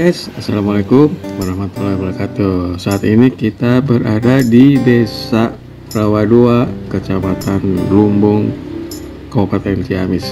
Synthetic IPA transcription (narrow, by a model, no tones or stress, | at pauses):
ɛsasalamalekumwaɾahmat̪ulabəɾakat̪usaːt̪inikit̪abəɾadadidesa | plawaduakət͡ʃamat̪anlumbʊŋ | kopat̪ɛnsiamɪs